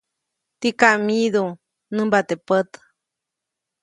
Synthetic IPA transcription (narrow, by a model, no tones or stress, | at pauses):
t̪ikaʔmiðu | nɨmbat̪epət̪ə̥